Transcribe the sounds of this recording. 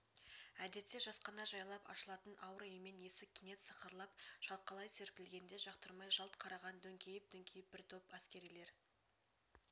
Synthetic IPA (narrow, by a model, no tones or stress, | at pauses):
æd̪e̞t̪se̞ʒɑsqɑnɑʒɑjlˠɑpɑ̰ʃəlˠɑt̪ənɑwɾəeme̞ne̞sɪkʲʰːene̞t̪səqəɾlˠɑpʒ̥ɑl̚ˠqʰɑlˠɑjse̞ɾkʲɪlɡʲe̞nd̪e̞ʒɑqt̪əɾmɑjʒɑlˠt̪qʰɑɾɑʁɑnd̪ɵŋkʲejɪp̚d̪̥ɵŋkʲʰejɪp̚b̥ɪɾt̪ʰopæskʲe̞ɾijle̞ɾ